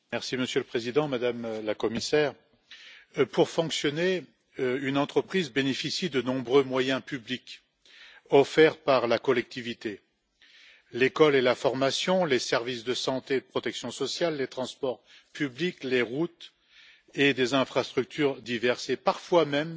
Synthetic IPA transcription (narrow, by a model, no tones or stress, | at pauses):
mɛʁsiməsjøləpχezid̪ɑ̃mad̪amlakɔmisɛːʁ | puʁfɔ̃ksjɔne | ynɑ̃t̪χəpχizbenefisid̪ənɔ̃bʁømwajɛ̃pyblik | ɔfɛʁpaʁlakɔlɛk̚t̪ivit̪e | lekɔlelafɔʁmasjɔ̃lesɛʁvisd̪əsɑ̃t̪ed̪əpχɔt̪ɛksjɔ̃sɔsjalːet̪χɑ̃spɔʁ | pyblikleʁut̪ | ed̪ezɛ̃fχast̪χyk̚t̪ʰyʁd̪ivɛʁsepaʁfwamɛm